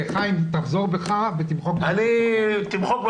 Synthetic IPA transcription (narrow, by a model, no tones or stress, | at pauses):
eχaimt̪aχzoʁbeχavet̪imχok̚banit̪imχok̚b